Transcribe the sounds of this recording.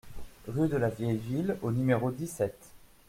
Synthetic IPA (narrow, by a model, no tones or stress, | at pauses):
ʁyd̪əlavjɛjvilonymeʁod̪isɛt̪